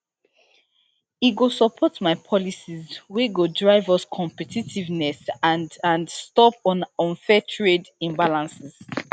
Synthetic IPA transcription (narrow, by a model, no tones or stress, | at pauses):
iɡosɔpʰɔtmaɪpʰɔlisizweɡodɹaɪvəskʰɔ̃mpɛtitʰivnɛsãndãndstɔpɔ̃nɔ̃nfɛtʰɹedĩmbalãnsiz̥